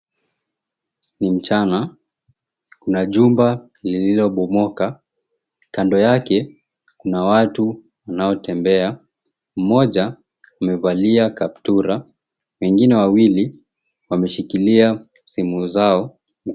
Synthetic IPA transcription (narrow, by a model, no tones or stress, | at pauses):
nim̩t͡ʃana | kunaʄumbalililɔɓɔmɔka | kandɔjakɛ | kunawatu | wanaɔtɛmbɛa | m̩mɔʄa | umɛvaliakap̚tuɾa | wɛŋɡinɛwawili | wamɛʃikiliasimuzaɔ